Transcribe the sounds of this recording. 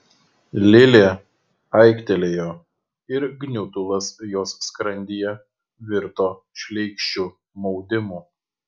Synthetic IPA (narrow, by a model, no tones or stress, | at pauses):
lʲɪlʲeː | ɐɪkt̪ʲɛlʲeːjoː | ɪɾɡnʲʊt̪ʊlˠɐsjoːsːkɾɐnʲd̪ʲiːjɛ | ʋʲɪɾt̪oːʃʲlʲɛɪkʃʲt͡ʃʲu | mɒʊd̪ʲɪmuː